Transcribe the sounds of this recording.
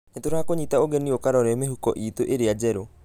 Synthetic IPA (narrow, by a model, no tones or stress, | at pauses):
netoɾaakoɲitaoɣɛniokaɾɔɾɛɔmeɦukɔʔiːtoʔeɾead͡ʒɛɾo